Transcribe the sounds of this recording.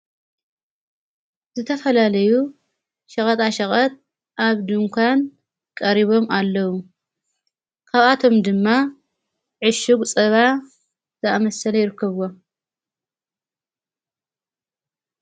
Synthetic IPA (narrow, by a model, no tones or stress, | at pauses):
zɨt̪ʰɐfɐlalɐju | ʃɐχʼɐt̪ʼaʃɐχʼɐt̪̚ | ʔaβd̪ɨŋkʷʰan | kʼɐɾiβo̞malːɐwu | kʰaβat̪ʰo̞md̪ɨmːa | ʕɨʃɨɡt͡sʼɐβa | zʰɐamɐsɐlɐjɪɾɨkʰːɐβwo